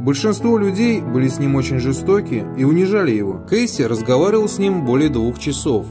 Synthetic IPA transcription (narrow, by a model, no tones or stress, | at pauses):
bəlʲʂɨnst̪vo̞lʲʊdʲejbɨlʲɪsʲnʲimo̞t͡ɕɪnʲʐɨst̪o̞kʲɪiʊnʲɪʐalʲɪjɪvo̞̰kejsʲɪɾəzɡɐvaɾʲɪvəlˠsʲnʲimbo̞lʲɪjəd̪vuxt͡ɕɪso̞f